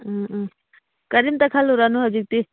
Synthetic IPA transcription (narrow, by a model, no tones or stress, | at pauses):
kɐɾimt̪ɐkʰaluɾanuɦɐd͡ʒik̚t̪i